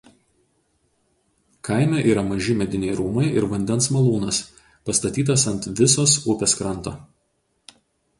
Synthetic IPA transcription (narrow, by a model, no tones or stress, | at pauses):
kʰɐˑɪmʲɛːʔiːɾɐmɐʒʲɪmʲɛd̪ʲɪnʲɛɪɾuːmɐɪʔɪɾʋɐnʲd̪ʲɛnsmɐlˠuːnɐs | pɐst̪ɐt̪ʲiːt̪̬ɐsɐnʲt̪ʋʲɪsoːsʊpʲɛskɾɐnˑt̪oː